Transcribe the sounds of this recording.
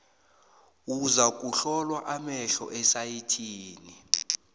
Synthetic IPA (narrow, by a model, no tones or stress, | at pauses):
uzak̬ʼuɬɔlwaʔamɛɬɔ̰ʔɛsajitʰiːni